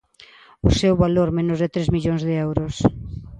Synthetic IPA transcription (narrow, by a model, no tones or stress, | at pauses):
ʊsewβaloɾmẽnʊzðɪt̪ɾezmiʎoŋzðɪɛwɾʊs